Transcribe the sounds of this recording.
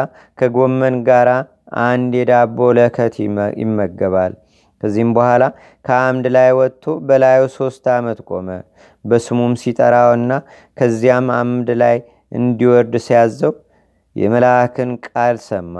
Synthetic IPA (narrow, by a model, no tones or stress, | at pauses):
kʰəɡo̞mːənɡaɾa | ʔand̪jɛd̪abo̞ləkʰət̪ʰjɪ̰mːəɡːəβal | kʰəzːihmbəhʷala | kʰəamd̪lajwɔt̪ʰːobəlajuso̞st̪amət̪kʼo̞mə | bəsɨmumsit̪ʼəɾawɨnːa | kʰəzːijamamd̪laj | ʔɨnd̪iwɔɾd̪sijazːəw | jɛ̰məlakʰɨnkʼalsəmːa